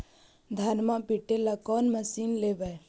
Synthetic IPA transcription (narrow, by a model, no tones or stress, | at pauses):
d̪ʱanmapiʈelakɔːnməsiːnleːʋɛ